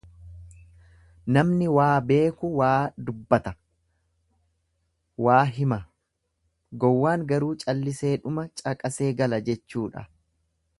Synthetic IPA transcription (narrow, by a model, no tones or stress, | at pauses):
nɐmnɪwaːbe̞ːkʊwaːd̪ʊbːɐt̪ɐ | waːɦɪmɐ | ɡɔwːaːŋɡɐɾuːt͡ʃʼɐlːɪse̞ːᶑʊmɐt͡ʃʼɐkʼɐse̞ːɡɐlɐd͡ʒɛt͡ʃːuːᶑɐ̰